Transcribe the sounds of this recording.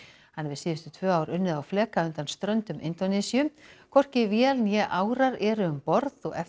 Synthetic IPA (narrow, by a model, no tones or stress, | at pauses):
hanːɛvɪsiːðʏst̪ʏt̪ʰvœːaːwɾʏnːɪðawflɛːkaʏnt̪anst̪ɾœnt̪ʏmʔɪ̰nt̪onɛsiʏmkʰɔr̥cɪvjɛlnjɛʔaːwɾaɾɛɾʏʏmpɔɾðɔɣɛ̰